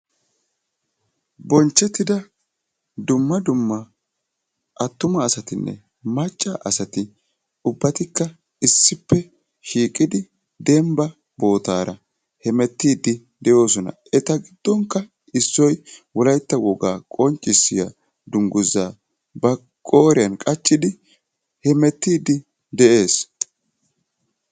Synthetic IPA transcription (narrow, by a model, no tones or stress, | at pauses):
bɔnt͡ʃːɛt̪ːɪd̪ɐ | d̪ʊmːɐd̪ʊmːɐ | ʔɐt̪ːʊmɐːsɐt̪ɪnːɛ̰ | mɐt͡ʃʼːaʔɐsɐt̪ɪ | ʊbːɐt̪ɪkːɐ | ɪsːɪpːɛ | ʃiːkʼɪd̪ɪ | d̪ɛmbɐ | bo̞ːt̪aːɾɐ | hɛmɛt̪ːiːd̪ɪ | d̪ɛjo̞ːsɔnɐ̰ | ɛt̪ɐɡɪd̪̥ːɔŋkːɐ | ɪsːɔjwɔlɐjt̪ːɐwɔɡaːkʼɔnt͡ʃʼːɪsːɪja̰ | d̪ʊŋɡʊzːaː | bɐ | kʼo̞ːɾɪjɐnkʼɐt͡ʃʼːɪd̪ɪ | hɛmɛt̪ːiːd̪ɪ | d̪ɛʔe̞ːs